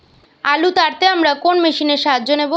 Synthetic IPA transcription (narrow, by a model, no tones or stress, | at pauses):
alut̪aɾt̪eamɾakonmeʃineɾʃaɦad͡ʑʑonebo